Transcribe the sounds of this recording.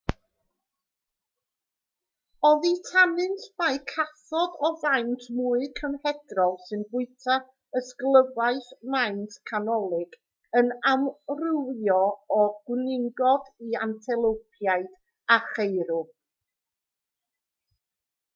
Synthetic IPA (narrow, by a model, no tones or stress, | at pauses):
ɔðitʰanɨntʰmaɨkʰaθɔdɔvajntʰmuɨkʰəmhɛdrɔlˠsɨnbʊɨtʰa | əsklˠəvaɨθmaɨntkʰanɔlˠɪɡ | ənamrɨwjɔɔɡ̥wnɪŋɡɔdiantʰɛlˠowpʰjaɨd̥ | aχejɾʊ